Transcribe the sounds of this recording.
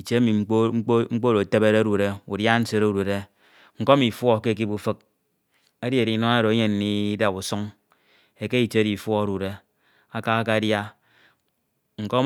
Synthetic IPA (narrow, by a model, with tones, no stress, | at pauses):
i˨t͡ʃe˦a˦mi˨˦ŋ͡m̩˦k͡po˦ɾo˨te˦be˦ɾe˦ɾu˨ɾe˦u˨dja˦n̩˦se˦ɾe˦u˦ɾu˨e˦ | ŋ̩˨ko˦mi˨fwɔ˦ke˦˨k̬i˦bu˨fɨ˦k̚ | e˦di˦e˨ɾi˨nɔ˦na˦ɾo˨e˦ɲe˨n˦ni˦da˨bu˨sɔ˦ŋ | e˨ke˦i˨t͡ʃe˦e˦di˨fwɔ˦a˦ɾu˨ɾe˦ | a˦ka˦ka˦dja˦ | ŋ̩˨ko˦